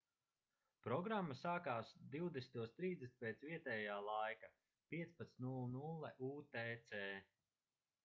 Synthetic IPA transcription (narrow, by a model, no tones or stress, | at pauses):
pɾɔɡɾamːasaːkaːsd̪iwd̪est̪uɔst̪ɾiːzd̪esi̥t̪̚ʲpʲɛt̪sviɛt̪ɛjaːlˠajka | pʲiɛt̪spat̪nulːˠnulˠːɛʔuːt̪ɛːt̪sɛː